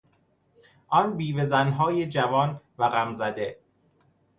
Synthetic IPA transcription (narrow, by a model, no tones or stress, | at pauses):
ʔɒːnbiːve̞zænɦɒːjed͡ʒævɒːnvæɣæmzæd̪e̞